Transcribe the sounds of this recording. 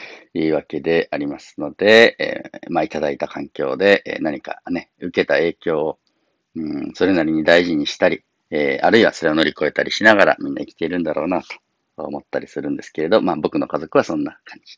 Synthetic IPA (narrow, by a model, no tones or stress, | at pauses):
iːβake̞d̪e̞ʔaɾʲimasɨ̥no̞d̪̥e̞̰ | mait̪ad̪ait̪akʰãŋkʲo̞ːd̪e̞ʔnaɲ̟ika̰ne̞ | ɯ̟ke̞t̪ae̞ːkʲo̞ː | ɯ̃so̞ɾe̞naɾʲiɲ̟id̪aiʑiɲ̟iɕi̥t̪aɾʲi | eːa̰ɾɯ̟iβaso̞ɾe̞o̞no̞ɾʲiko̞e̞t̪aɾʲiɕinaɡaɾa̰mʲĩnːa̰ikʲi̥t̪e̞iɾɯ̟̃nd̪aɾo̞̰ːnat̪o̥ | o̰mo̞t̪ːaɾʲisɨɾɯ̟̃nd̪e̞sɨ̥ke̞ɾe̞d̪o̞maːbo̞kɯ̟no̞kazo̞kɯ̟β̞asõ̞nːakʰãɲ̟d͡ʑi̥